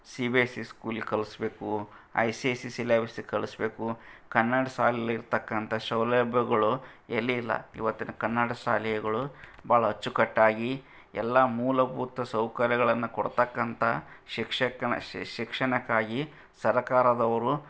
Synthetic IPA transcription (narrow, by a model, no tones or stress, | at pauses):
sibeːsiskuːlikɐɭisbeːku | ɐ̰jsesisileːbisikɐɭisbeːkukɐnːɐɽɐʃaːlɛjɐliɾt̪ɐkːɐnt̪ʰɐʃɐwlɐbʱjɐɡɐɭuelːiːlːɐ̰ḭʋɐt̪ːinɐkɐnːɐɽɐʃaːlɐjɐɡɐɭubaːɭɐɦɐt͡ʃːukɐʈːaːɡi | ɛlːɐmuːlɐbʱuːt̪ɐsɐwkɐɾjɐɡɐɭɐnːukoɽt̪ɐkːɐnt̪ʰɐʃikʂɐkːɐɐ̰ʃikʂɐɳɐkːaːɡi | sɐɾɐkaːɾɐd̪ɐʋɐɾu